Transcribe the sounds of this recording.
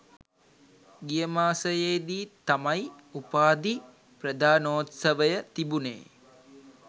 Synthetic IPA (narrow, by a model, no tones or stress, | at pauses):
ɡijəmaːsəjeːd̪iːt̪amɐj | upaːd̪i | prəd̪aːnoːt̪sɐʋəjət̪ibunḛː